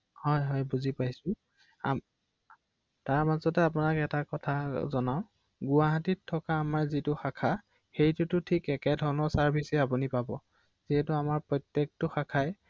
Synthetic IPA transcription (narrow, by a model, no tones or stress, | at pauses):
hɔjɦɔjbuzipajsʊ | am | taɹmazɔtɛapʊnakɛtakɔtʰazɔnaʊ̃ | ɡʊwaɦatitʰːɔkaːmaɹzitʊxakʰa | xejtʊtʊtʰikɛkɛdʱɔɹnɔɹsaɹbʱisɛapunipabɔ | z̥iɦɛtʊamaɹpɹɔjtjek̚tʊxakʰaj